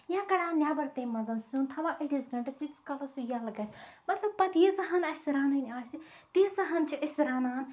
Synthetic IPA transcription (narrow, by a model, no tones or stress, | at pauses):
jãːkɐɽaːnʲaːbɐɾt̪ẽːmɐzɐnsũnt̪ʰɐʋaːʔeʈizɡɐɳʈɐsikskɐlɐsujaːlɐɡɐɾʲmɐt̪lɐb̚pɐt̪jezɐɦanɐsɾaːnɐnʲaːsi | t̪izɐɦɐnt͡ʃʰiɐsʲɾaːnaːn